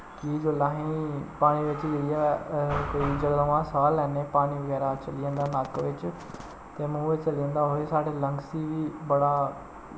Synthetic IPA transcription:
kiːd͡ʒoːlãːɦĩpaːɽ̃iʋɪt͡ʃd͡ʒeiakoid͡ʒəɽʋãsaːlɛːnẽpaːɽ̃iʋəɣɛːɾat͡ʃɐlijə̃nd̪aːnaːkʋɪt͡ʃ | t̪emũːʋet͡ʃɐliə̃nd̪aɦoesaːɽelə̃ŋɡsiʋiːbɐɽaː

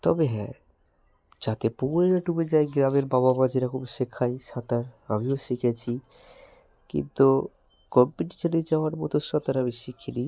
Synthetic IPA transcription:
t̪ɔ̰beɦɛ̰̃ | d͡ʑat̪epuɾeɾaʈubed͡ʑaeɡɾameɾbababad͡ʑiɾakubʃekʰːajʃat̪aɾa̰mioʃikʰet͡ɕʰi | kḭnt̪u | kɔmpːiʈi̥t͡ɕoled͡ʑaoaɾmɔt̪osat̪aɾamiʃikʰːili

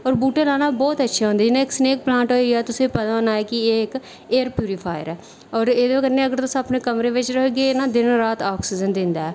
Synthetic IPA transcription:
ɔːɾbuːʈelaːnaːbɔːt̪ətːʃʰaːɦõnd̪aːd͡ʒɪnãːɪksneːk̚plãːɳʈɦoːiɡɛːt̪ʊsẽpət̪aːnaːɛːkɪeːɪk | eːəɾpjuːɾɪpʰaːjəɾɛː | ɔːɾeːd̪ekəɾneːəɡəɾt̪ʊsapneːkəmɾeːʋɪt͡ʃɾəkɡeːnaːd̪ɪnɾaːt̪aːksɪd͡ʒənd̪ɪ̃nd̪aːɛː

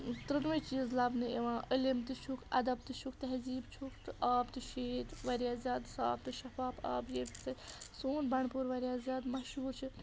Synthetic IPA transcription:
t̪ɾɨnʋɐt͡ʃiːzlɐbnɨeʋãːʔəlimt̪ɨt͡ʃʰukʰɐ̰d̪ɐb̚t̪ɨt͡ʃʰukt̪ɛɦziːbt͡ʃʰukʰt̪ɨaːbt̪ɨʃeːt̪ʋɐɾjaːzʲjaːd̪sa̰ːbt̪ɨʃɐfaːpa̰ːbjet̪t͡sɐsoːnbɐɳpuːɾʋɐɾʲjaːzʲjaːd̪mɐʃɦuːɾt͡ʃʰi

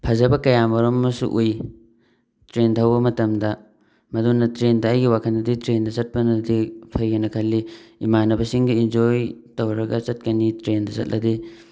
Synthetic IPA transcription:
pʰɐzɐbɐkɐjamɐɾomːɐsṵʔuj | tɾentʰɐwbɐmɐtɐmdɐ | mɐdunːɐtɾendɐːjɡiwakʰɐndɐditɾendɐsɐt̚pɐnɐdipʰɐjɡɐnɐkʰɐlːiimanɐbɐsiŋɡɐind͡ʒojtowɾɐɡɐt͡ʃɐt̚kɐnitɾendɐsɐ̰t̚lʔɐdi

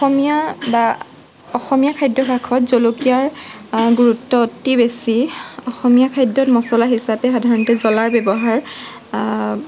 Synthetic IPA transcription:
ɔxɔmijaba | ɔxɔmijakʰajdːɔbʱakʰɔtzolokiaɹɡuɹutːɔtːibesiɔxɔmijakʰajdɔtmɔsɔlaɦisapɛxadʱaɹɔntɛzɔlaɹbɛbɔɦaɹ

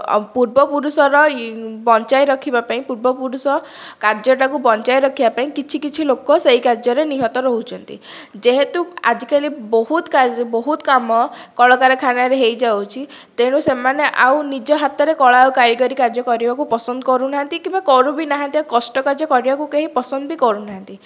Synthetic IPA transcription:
puɾbɔpuɾusɔɾɔbɔnt͡ʃajɾɔkʰibapaĩpuɾbɔpuɾusɔ | kaɾd͡ʒɔʈakubɔnt͡ʃajɾɔkʰibapaĩkit͡ʃʰikit͡ʃʰilokɔseikaɾd͡ʒɔɾeniɦɔt̪ɔɾɔɦut͡ʃʰɔnt̪ḭd͡ʒeɦet̪ua̰d͡ʒikaɾibɔɦut̪kabɔɦut̪kamɔkɔɭɔkaɾɔkʰanaɾeɦejd͡ʒawt͡ʃʰi | t̪eɽ̃usemaneʔaw̃nid͡ʒɔɦat̪ɔɾekɔɭawkaɾiɡɔɾikaɾd͡ʒɔkɔɾibakupɔsɔnd̪ɔkɔɾunaɦant̪ikĩmbakɔɾubinaɦant̪iakɔsʈɔkaɾd͡ʒɔkɔɾibakukeɦipɔsɔnd̪ɔbikɔɾunaɦant̪i

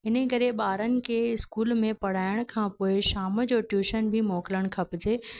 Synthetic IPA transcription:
ɪnə̆kɐɾeɓaːɾənɪ̆kʰeɪskuːlmẽpɐɽ̤aːɪɽ̃kʰãːpoːɪʃaːməd͡ʑoːʈjuːʃənbʱɪmoːkɪləɽ̃kʰɐpɪd͡ʑeː

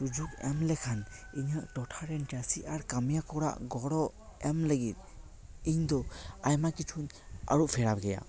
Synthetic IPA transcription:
ɾud͡ʒukɛmlɛkʰan | iɲəʔʈɔʈʰaɾɛnʈasiʔaɾkamjakɔɽa̰ʔɡɔɽɔ | ɛmləɡit̪̚ˀ | iɲd̪ɔajmakit͡ʃʰuɲ | a̰ɾuʔpʰɛɽabɡɛja̰

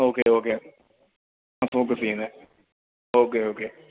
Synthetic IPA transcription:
oːkeːɦoːkeː | afoːk̬əsiːnɛː | oːkeːɦoːkeː

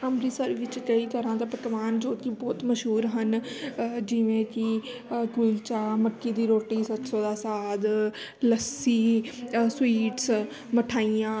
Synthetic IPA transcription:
əmɾiːsəɾʋɪt͡ʃkəiːt̪əɾãːd̪aːpək̪ʋaːnd͡ʒoːt̪ibɔːt̪məʃɦuːɾɦən | d͡ʒɪʋẽːkɪk̪ult͡ʃaːməkːiːd̪iːɾoːʈiːsət̪soːd̪aːsaːd̪ləsiːswiːʈs | məʈʰaːijãː

